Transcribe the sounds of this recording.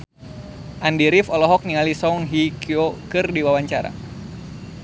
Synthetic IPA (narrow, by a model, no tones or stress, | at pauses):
ʔandiɾifɔlɔɦɔk̚niŋalisɔŋɦikʰiokɨrdiwawaɲt͡ʃaɾa̰